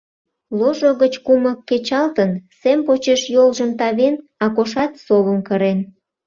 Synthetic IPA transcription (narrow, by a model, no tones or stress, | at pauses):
loʒoɣət͡ɕkuməkːet͡ɕɑlt̪ənsempot͡ɕeʃjolʒəmt̪ɑβenɑkoʃɑt̪soβəmkəɾen